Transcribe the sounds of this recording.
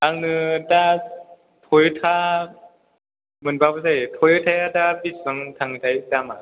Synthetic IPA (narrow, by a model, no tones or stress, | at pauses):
aŋnɯta | tʰojɯtʰa | mɯnbabɯzajtʰojɯtʰajatabissɯŋtʰaŋtajtama